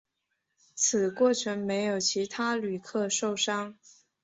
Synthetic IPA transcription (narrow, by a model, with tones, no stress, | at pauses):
t͡sʰɹ̩˨˩kwɔ˥˩ʈ͡ʂʰə˧˥nme˧˥ɪjo˨˩ʊt͡ɕʰi˧˥t̪ʰa˥ly˨˩kʰɤ˥˧ʂo˥˩ʊʂɑ˥ŋ